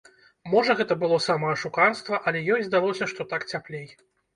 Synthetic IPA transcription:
mɔʐɐɣɛt̪ɐbɨlˠɔsamɐɐʂukarst̪vɐʔɐlʲɛjɔjʲzd̪alˠɔsʲɐʂt̪ɔt̪akt͡sʲaplʲej

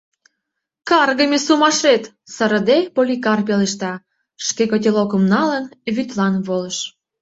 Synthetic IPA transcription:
kɑrɣəmʲesumɑʃet̪ | səɾə̆d̪epolʲikɑrpeleʃt̪ɑ | ʃkekot̪̬ʲelokə̆mnɑlənβyt̪lɑnβoləʃ

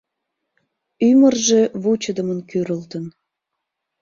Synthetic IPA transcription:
ymərʒeβut͡ɕəd̪əmənkyɾəlt̪ən

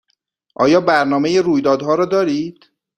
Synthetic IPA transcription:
ʔɒ̰ːjɒːbæɾnɒːme̞jeɾuːjd̪ɒːd̪hɒːɾɒːd̪ɒːɾiːd̪̥

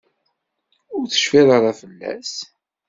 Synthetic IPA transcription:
ʊɾθə̥ʃfiðəɾˤɑfəlːæ̰s

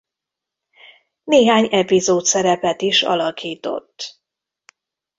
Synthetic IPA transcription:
neːɦaːɲɛpizoːt̪sɛɾɛpɛt̪iʃɒ̰lɒkiːt̪o̞̰t̪ː

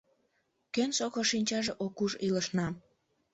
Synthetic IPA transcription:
kønsokoʃinʲt͡ɕɑʒeʔokuʒiləʃnɑ

